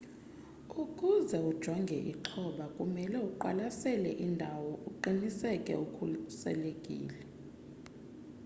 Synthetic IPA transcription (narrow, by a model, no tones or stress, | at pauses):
ukʼuzɛud̥ʒ̥ʱɔŋɡʱɛʔḭǁʰɔɓakʼumɛlɛuǃalasɛlɛ̰ʔindʱawɔʔuǃinisɛkʼɛ̰ukʰusɛ̰lekʼḭːlɛ